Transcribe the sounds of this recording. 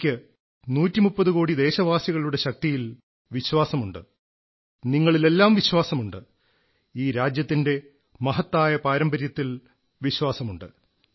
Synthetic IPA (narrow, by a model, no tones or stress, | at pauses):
kʲːɨ | nuːtːimupːɐðukoːɽid̪e̞ːɕɐʋaːsjɐɣɐɭuɽe̞ɕɐk̚t̪ijil | ʋiɕwaːsɐmuɳɖɨ̰ | niŋːɐɭile̞lːaːmʋiɕwaːsɐmuɳɖɨ | iːɾaːd͡ʑjɐt̪ːinde̞ | mɐɦɐt̪ːaːjɐpaːɾɐmbɐɾjɐt̪ːil | ʋiɕwaːsɐmuɳɖɨ̰